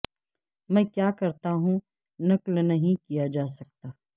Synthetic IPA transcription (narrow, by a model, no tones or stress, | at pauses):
mɛ̃ːkjaːkɐɾt̪aɦũ | nɐklnɐɦĩkijad͡ʒaːsɐk̚t̪aː